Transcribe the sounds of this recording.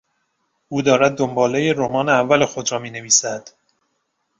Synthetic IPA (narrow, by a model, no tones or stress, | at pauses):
ʔuːd̪ɒːɾæd̪̚ːombɒːlejeɾomɒːneævːælexo̞d̪ɾɒːmiːne̞viːsæd̪̥